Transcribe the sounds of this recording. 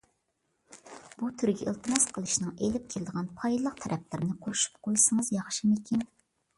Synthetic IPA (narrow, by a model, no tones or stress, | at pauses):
b̥ut̪ʰyɾɡʲɛʔɨlˠt̪ʰɨmɑsqʰəlˠɨʃnɨŋelɪp̚kʲʰelɪd̪əʁɑnpʰɑjd̪lˠəq̚t̪ʰɛɾʔɛplɪɾnɪqʰoɾuʃu̥p̚qʰojsɨŋəzjɑχʃimɪkʲin